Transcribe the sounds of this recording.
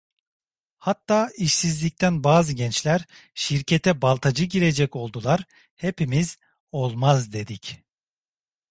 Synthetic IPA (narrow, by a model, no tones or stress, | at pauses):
hat̪ʰːaːiʃsizlʲic̚t̪ʰænbaːzɯɟɛnt͡ʃlʲæɾ | ʃiɾcʰet̪ʰɛbalˠt̪ʰad͡ʒɯɟiɾe̞d͡ʒɛco̞lˠd̪ulˠaɾ | he̞pimiz̥ | o̞lˠmazd̪e̞d̪ic